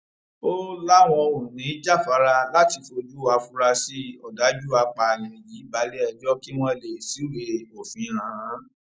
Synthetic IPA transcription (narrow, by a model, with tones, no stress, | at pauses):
o˦la˦w̃ɔ̃˧wo˨nĩ˨˦d͡ʒa˦˨fa˨˦ɾa˧la˦˨ti˧fo˧d͡ʒu˦a˧fu˧˦ɾa˧si˦ɔ˨da˨˦d͡ʒu˦a˧k͡pa˧˨lɛ̃˨ji˨˦ba˨˧˦le˦ɛ˧˨d͡ʒɔ˦ki˦w̃ɔ̃˦le˨si˨˦we˧o˨fĩ˨˦ɾã˨˦